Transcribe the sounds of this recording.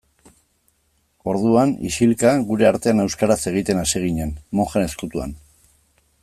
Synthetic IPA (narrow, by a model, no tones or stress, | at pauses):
o̞ɾðuanḭsilkaɣuɾe̞aɾt̪e̞ane̞wskaɾase̞ɣ̞it̪e̞nasiɣ̞iɲenmo̞xene̞skut̪ua̰n